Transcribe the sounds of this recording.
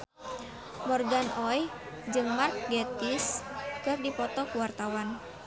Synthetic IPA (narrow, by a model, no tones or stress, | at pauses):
mɔrɡanɔj | d͡ʒɨŋmark̚ɡɛt̪iskɨrdipɔt̪ɔkuwart̪awan